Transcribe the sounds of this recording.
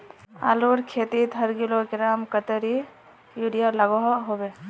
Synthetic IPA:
a̰loːɾkʰeːt̪it̪ɦəɾɡilokɪɾaːmkət̪əɾi | juɽijalɐɡoɦɦobeː

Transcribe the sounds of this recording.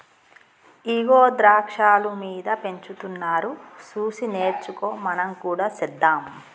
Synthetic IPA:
iɡoːd̪ɾaːkʂaːlumiːd̪ɐpe̞ɲt͡ʃut̪unːaːɾusuːsineːɾt͡ʃukoːmɐnɐmkuːɽaːsɛd̪ːaːm

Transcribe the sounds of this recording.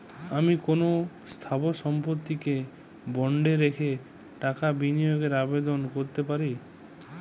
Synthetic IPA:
amikono | st̪ʰabosɔmpoɾt̪ːike | bɔɳɖeɾekʰe | ʈakabinijoɡeɾabed̪onkoɾt̪epaɾi

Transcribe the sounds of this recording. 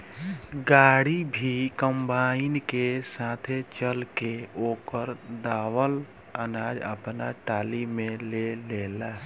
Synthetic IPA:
ɡaːɽibʱikəmbaːɪnkesat̪ʰet͡ʃəlkeoːkəɾd̪aːwəl | ənaːd͡ʒə̰pna̰ʈaːlimẽleleːla

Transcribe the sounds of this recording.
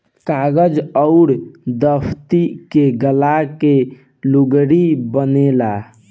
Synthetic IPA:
kaɡəd͡ʒəʊɾd̪əpʰt̪ikeɡəlake | luɡɽibənela

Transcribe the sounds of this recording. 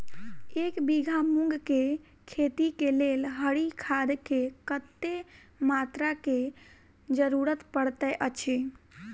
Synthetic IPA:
ekbiɡʱamũŋɡke | kʰet̪ikelelɦəɽikʰad̪kekət̪ːe | mat̪ɾake | d͡ʒəɾuɾət̪pəɽt̪əʔət͡ʃʰi

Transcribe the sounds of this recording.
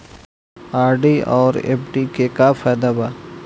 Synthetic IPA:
aːɾɖiɔːɾḛːpʰɖikekafʰaːd̪aba

